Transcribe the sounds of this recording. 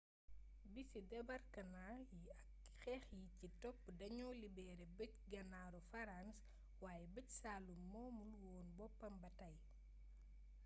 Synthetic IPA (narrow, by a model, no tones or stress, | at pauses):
bisidɛbɐrkɐnajiɐk | xɛːxjicitɔpːdɐɲɔːlibɛːɾɛbəcɡɐnaːɾɔfɐɾans | waːjɛbəcsaːlumːɔːmulwɔːnbɔpːɐmbɐtɐj